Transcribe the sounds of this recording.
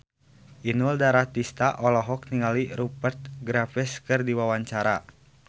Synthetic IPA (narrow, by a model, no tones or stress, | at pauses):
ʔinuldaɾat̪ist̪aʔɔlɔɦɔk̚niŋaliɾupərt̪̚ɡɾafɛskɨrdiwawaɲt͡ʃaɾa